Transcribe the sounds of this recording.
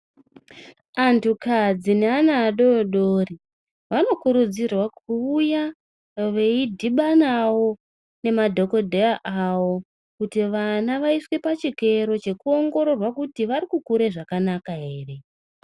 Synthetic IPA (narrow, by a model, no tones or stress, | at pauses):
antʰukad͡zineanaːɗo̞ɗori | ʋano̞kuɾud͡zirwakuːja | ʋe̞idʱiɓanawo̞ | ne̞madʱo̞ko̞dʱeaʔawo̞ | kutiʋanaʋaiswepat͡ʃike̞ɾo̞t͡ʃe̞kuo̞ŋɡo̞ɾo̞rwakutiʋaɾikukuɾe̞ʐakanakaɦe̞ːre̞